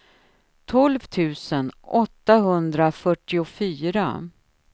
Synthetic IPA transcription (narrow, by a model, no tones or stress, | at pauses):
t̪ʰɔlvt̪ʰʉ̟ːsənɔt̪ːaɦɵnd̪ɾafœʈːɪʊfyːɾa̰